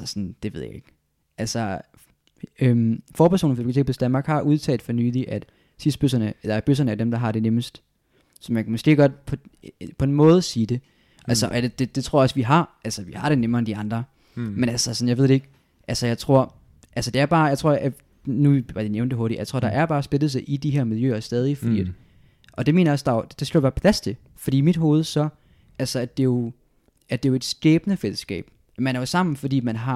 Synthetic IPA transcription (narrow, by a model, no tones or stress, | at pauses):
sɒnd̥e̝ʋe̝ð̰ˠja̰e̝ɡ̥ | ʔælsɒ | ømfɒːpʰæɐso̰ːn̩ɒ̥bi̥lot͡sʰe̝ɡ̚pʰɒsd̥ænmɑ̈ːɡ̥hɑ̈ʔuð̞ˠt͡sʰɛ̰ːld̥fɒnyːliʔæd̥ | sisd̥b̥øsɐnəelæɐb̥øs̬ɐnəæd̥emd̥ɑ̈ɦɑ̈ɾ̥e̝neməsd̥ | sɒ̽mjækʰæmɔsɡ̥e̝̰ːɡ̥ɒ̽d̥pʰɒ̽pʰɒ̽e̝nmɔ̽ːð̞ˠsiːd̥e̝ | ʔælsəʔɒded̥e̝d̥e̝t͡sʰʁo̝ɐɒ̽sʋiɦɑ̈ʔælsɐʋihɑ̈ɾ̥e̝nemɐːend̥iɑ̈nd̥ʁɐ | menælsɐsɒn̩jɑ̈ʋe̝ð̰̥ˠe̝eɡ̥ | ʔælsəjɑ̈ɪt͡sʰʁo̝ɐ̰ | ʔælsəd̥e̝æɐb̥ɑ̈ːjɑ̈ɪt͡sʰʁo̝ɐ̰æ | nuiʋɑd̥ineʊnd̥eɦo̝ɐɾijaɪt͡sʰo̝ɐ̰d̥ɑ̈ʔæɐb̥ɑːsb̥e̝ldð̩ˠs̬ɑɪʔid̥iɦæɐmiljø̰ːɐsd̥ɛːð̞ˠifɒd̥ḭːæd̥ | ʔɒ̽d̥e̝me̝̰ːnɐjɒsd̥ɑ̈jo̥d̥esɡ̥lo̰ːb̥ɑ̈ːpʰlæst͡sʰe̝ | fɒd̥ḭːimid̥ɦo̝ːð̞̩ˠsɒ̽ | ʔælsɐæd̥e̝jo̝ | æd̥e̝jo̝e̝d̥sɡ̥ɛːb̥ənəfel̰əsɡ̥ɛ̰ːb̥ | mænæɐjosɑ̈m̰n̩fɒ̽d̥ḭːmænɦɑ̈